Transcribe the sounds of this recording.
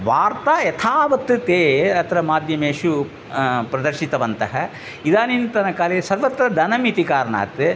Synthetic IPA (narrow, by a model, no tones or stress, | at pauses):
ʋaːɾt̪aːjɐt̪ʰaːʋɐt̪ːɨt̪eːɐt̪ʰɐɾɐmaːd̪ʱjɐmeːʃu | pɾɐd̪ɐɾʃit̪ɐʋɐnt̪ɐɦɐ | id̪aːnint̪ɐnɐkaːlesɐɾʋɐt̪ɾɐd̪ʱɐnɐmit̪ikaːɾɐna̰ːt̪ɨ